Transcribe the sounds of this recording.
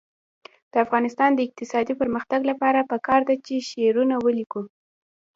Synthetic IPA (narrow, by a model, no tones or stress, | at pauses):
d̪̥əafɣɑnɪst̪ɑnd̪əɪq̚t̪ɪsɑd̪ipəɾməxt̪aɡlapɑɾapəkɑɾd̪at͡ʃeʃeɾunawəliku